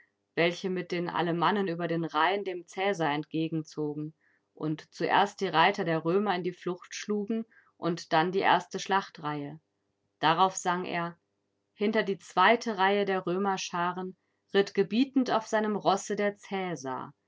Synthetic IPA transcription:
vɛlçəmɪt̚d̥eːnʔa̰ləmanənyːbɐdeːnʁaɪəndeːmt͡sɛːzaːɛntɡ̥eːɡŋ̩t͡soːɡŋ̩ | ʔʊ̰ntt͡suʔḛːɐst̚d̥iːʁaɪtɐdeːɐʁøːmɐɪndiːflʊχtʃluːɡŋ̩ | ʔʊntd̥andiːʔḛːɐstəʃlaχtʁaɪə | d̥aʁaʊfz̥aŋʔḛːɐ | hɪntɐdiːt͡sv̥aɪtʰəʁaɪədeːɐʁøːmɐʃaːʁən | ʁɪtɡ̥əbiːtn̩taʊfz̥aɪnəmʁɔsədeːɐt͡sɛːza̰ː

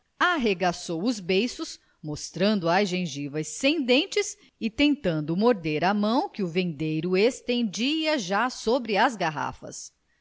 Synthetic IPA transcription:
aɦeɡasowʊzbejsʊs | most̪ɾɐ̃nd̪ʊaʒẽʒivɐsːẽd̪ẽnt͡ʃɪs | ɪt̪ẽnt̪ɐ̃nd̪ʊmoɾd̪eɾɐmɐ̃w̃kɪʊvẽnd̪ejɾʊest̪ẽnd͡ʒiɐʒasobɾɪɐzɡaɦa̰fɐ̰s

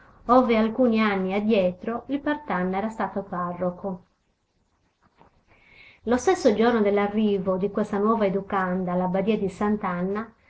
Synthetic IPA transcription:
ɔːvealkuːnianːiad̪ːjɛt̪ɾoilpɛrt̪anːɛːɾast̪aːt̪oparːoko | lost̪esːod͡ʒornod̪elːarːiːvod̪ikwest̪anwɔːvaed̪ukand̪alːabad̪iːad̪isant̪anːa

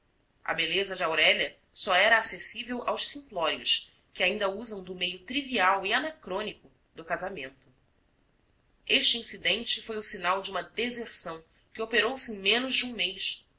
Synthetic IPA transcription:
ɐ̰belezɐd͡ʒɪawɾɛʎɐ | sɔɛɾɐːsesivewʔawʃsĩŋklɔɾiʊ̰s | kɪaĩnd̪ɐuzɐ̃w̃d̪ʊmejʊt̪ɾiviawianakɾõnikʊ | d̪ʊkazamẽnt̪ʊ | eʃt͡ʃiĩsid̪ẽnt͡ʃɪfojʊsinawd͡ʒɪũmɐd̪ezeɾsɐ̃w̃ | kɪopeɾowsɪẽj̃mẽnʊʒd͡ʒɪũmejʃs

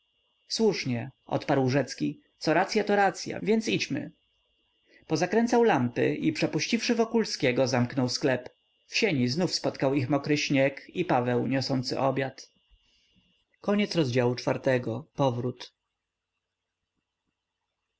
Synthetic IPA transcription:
swuʂɲɛʔɔ̰t̪paɾwʐɛt̪skʲi | t̪sɔɾat̪sʲjat̪ɔɾat̪sʲja̰vʲjɛnt̪sit͡ɕmɘ̰ | pɔzakɾɛnt̪sawlampɘ̰ʔipʂɛpuɕt͡ɕifʂɘvɔkulskʲeɡɔzamknɔwsklɛp | fɕeɲiznufspɔt̪kawixmɔkɾɘɕɲɛkipavɛwɲɔsɔnt̪sɘ̰ʔɔbʲjat̪ | kɔɲɛt̪sɾɔzd͡ʑawut͡ʂfaɾt̪ɛɡɔpɔvɾut̪

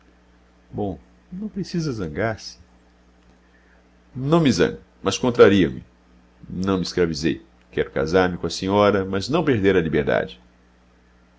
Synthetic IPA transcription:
bõw̃ | nɐ̃w̃pɾesizɐzɐ̃ɡaɾsɪ̥ | nɐ̃w̃mɪzɐ̰̃ŋɡʊmɐskõnt̪ɾaɾiɐmɪ̰ | nɐ̃w̃mɪiskɾavizḛj | kɛɾʊka̰zaɾmɪkõɐsĩɲɔɾɐmɐznɐ̃w̃peɾd̪eɾɐlibeɾd̪a̰d͡ʒɪ

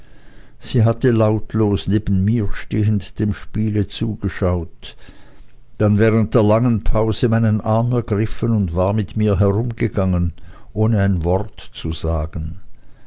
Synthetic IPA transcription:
z̥iːɦatəlaʊtʰloːsneːbən̩miːɐʃteːəntd̥eːmʃpiːlət͡suːɡəʃaʊt | d̥anvɛːʁ̞ənt̚d̥eːɐlaŋənpʰaʊzəmaɪnənʔaɐmɛɐɡʁɪfənʊntv̥aːɐmɪtmiːɐɦɛʁʊmɡəɡaŋənʔoːnəaɪnvɔʁtt͡suzaːɡn

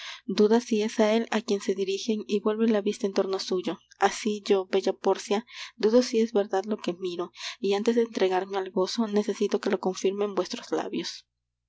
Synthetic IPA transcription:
d̪uðasie̞sae̞lakje̞nse̞ðiɾixe̞ŋiβwe̞lβe̞nlaβist̪aent̪o̞ɾnosuʝo̞ | asiʝo̞be̞ʝapo̞ɾsjad̪uðo̞sie̞zβe̞ɾðaðlo̞ke̞miɾo̞iant̪e̞zðeːnt̪ɾe̞ɣaɾme̞alɣo̞so̞ne̞se̞sit̪o̞ke̞lo̞ko̞ɱfiɾme̞mbwe̞st̪ɾozla̰βjos

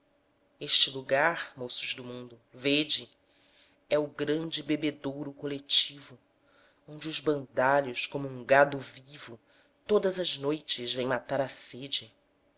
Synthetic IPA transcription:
eʃt͡ʃɪluɡaɾmosuʒd̪ʊmũnd̪ʊved͡ʒɪ | ɛʊɡɾɐ̃nd͡ʒɪbebed̪owɾʊkolet͡ʃivʊ | õnd͡ʒɪuzbɐ̃nd̪aʎʊskõmʊũŋɡad̪ʊvivʊ | t̪od̪ɐzɐznojt͡ʃɪzvẽj̃mat̪aɾɐsed͡ʒɪ

